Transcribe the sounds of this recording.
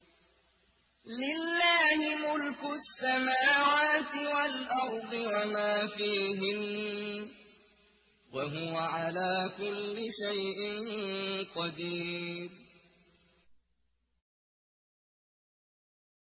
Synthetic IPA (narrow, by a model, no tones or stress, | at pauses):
lɪlːaːhɪmʊlkʊsːamaːwaːt̪ɪwalʔɑɾˤd̪ˤɨwamaːfiːɦɪn | waɦʊwaʕalaːkʊlːɪʃajʔɪnqɑd̪iːɾ